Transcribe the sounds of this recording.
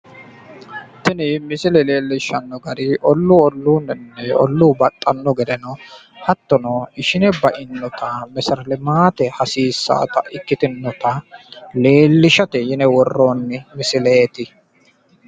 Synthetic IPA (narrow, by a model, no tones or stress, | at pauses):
t̪ɪnɪmɪsɪlɛle̞ːlːɪʃɐnːɔɡɐɾɪʔɔlːʊɔlːuːnɛnːɛɔ̰lːuːbɐt̪ʼːɐnːɔɡɛd̪ɛnɔ | hɐt̪ːɔnɔɪʃɪnɛbɐʔɪnːɔt̪ʰɐmɛsɐɾlɪmaːt̪ɛhɐsiːsːa̰ːt̪ɐ̰ʔɪkːɪt̪ɪnːɔt̪ɐle̞ːlːɪʃɐt̪ɛjɪnɛwɔrːoːnːɪmɪsɪleːt̪ɪ